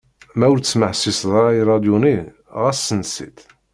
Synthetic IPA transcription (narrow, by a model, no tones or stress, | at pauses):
mæʊɾt͡səsməʕsisðˤɾɾˤɑiɾˤɑd̪juni | ʁæsːənsḭt̪